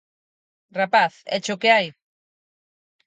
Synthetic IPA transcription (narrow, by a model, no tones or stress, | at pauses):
rapaθɛ̰t͡ʃʊkɪaj